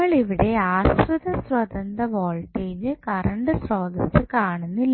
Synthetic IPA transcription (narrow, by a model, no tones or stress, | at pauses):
ɐɭiʋiɽe̞aːsrud̪ɐsrɐd̪ɐnd̪ɐʋo̞ːɭʈːeːd͡ʑɨkɐɾɐɳɖɨsro̞ːd̪ɐsɨkaːɳunːil